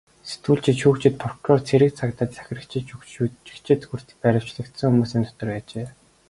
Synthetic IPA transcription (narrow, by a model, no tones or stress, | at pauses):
set̪wuːɮt͡ɕʰɪ̆t̪ʃuːkt͡ɕɪ̆t̪̚pʰɔrkʰrɔrt͡sʰeɾɘ̆k̚t͡sʰakt̪ə̆t̪t͡sæ̥xʲɪ̆rə̆kt͡ɕʰɪ̆uut͡ɕɪ̥̆kt͡ɕʰɪ̆t̪xur̥t̪ɘ̥̆pæɾʲɪ̆w̥t͡ɕɮɘ̆kt̪sɘ̆ŋxumuːsiːnt̪ʰɔ̥t̪ɞ̆rpæːt͡ɕeː